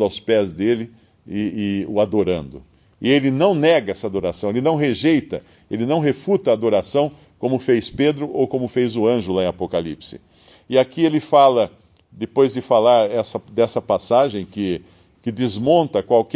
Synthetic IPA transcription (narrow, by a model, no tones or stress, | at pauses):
d̪ʊawspɛzd̪elɪ | ɪɪʊad̪oɾɐ̰̃nd̪ʊ | ɪelɪnɐ̃w̃nɛɡɐɛsɐad̪oɾasɐ̃w̃elɪnɐ̃w̃ɦeʒejt̪ɐ | elɪnɐ̃w̃ɦefut̪ɐaːd̪oɾasɐ̃w̃ | kõmʊfejsped̪ɾʊʔowkõmʊfejzʊɐ̃ʒʊlaẽapokalipsɪ̰ | ɪakielɪfalɐ | d̪ɪpojzd̪ɪfalaɾɛsɐd̪ɛsɐpasaʒẽj̃kɪ | kɪd̪ɪzmõnt̪ɐkwawk